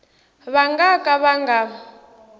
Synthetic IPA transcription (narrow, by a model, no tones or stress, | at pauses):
βaŋɡakʼaβaŋɡa